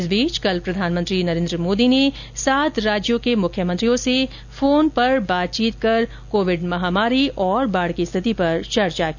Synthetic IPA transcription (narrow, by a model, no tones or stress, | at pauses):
ɪsbiːt͡ʃkɐlpɾɐd̪ʱaːnmə̃nt̪ɾinɐɾẽːnd̪ɾəmoːd̪ine | saːt̪ɾaːd͡ʒjõkemʊkʰjəmə̃nt̪ɾijõse | foːnpɐɾbaːt̪̚t͡ʃiːt̪̚kɐɾ | koːʋɪɖmɐɦaːmaːɾiʔɔːɾbaːɽkist̪ʰɪt̪ipɐɾt͡ʃɐɾt͡ʃaki